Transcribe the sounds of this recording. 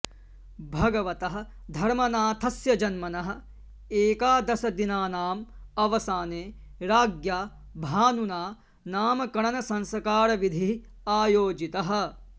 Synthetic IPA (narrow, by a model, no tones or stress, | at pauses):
bʱɐɡɐʋɐt̪ɐɦɐ̆ | d̪ʱɐɾmɐnaːt̪ʰɐsjɐd͡ʒɐnmɐnɐɦɐ̆ | eːkaːd̪ɐsɐd̪inaːnaːmɐʋɐsaːneː | ɾaːɡjaː | bʱaːnunaː | naːmɐkɐɳɐnɐsɐ̃nsɐkaːɾɐʋid̪ʱiɦ | aːjoːd͡ʒit̪ɐɦɐ̆